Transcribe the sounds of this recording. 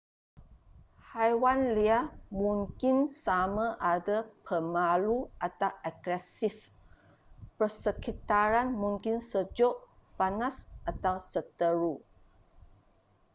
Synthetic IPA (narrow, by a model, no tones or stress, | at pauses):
hajwanliamũŋkinsamãʔadapʰəmaluʔat̪awʔaɡɾɛsif | pərsəkit̪aɾanmũŋkinsəd͡ʒoʔ | panãsʔat̪awsət̪əɾu